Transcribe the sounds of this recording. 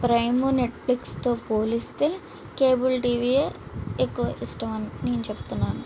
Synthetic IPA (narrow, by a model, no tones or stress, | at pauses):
pɾɐjmune̞ʈflikst̪o̞ːpoːlist̪e̞ː | keːbulʈiːʋiːeekːuʋɐʔisʈɐmɐnneːnut͡ʃebu̥t̪unːaːnu